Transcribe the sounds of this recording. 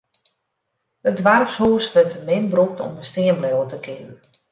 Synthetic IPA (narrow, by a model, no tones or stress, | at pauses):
ədʋarpshuːsʋətəmɪnbruk̚tɔ̰məstɪəmblɛlˠətəkʰɪnn